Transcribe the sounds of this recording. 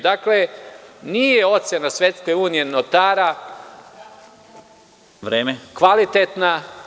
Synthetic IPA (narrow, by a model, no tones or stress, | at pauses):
d̪akle̞nijeo̞t̪sjenasʋʲje̞t̪skeuːnije̞not̪aːɾa | ʋɾeːmekʋalit̪et̪na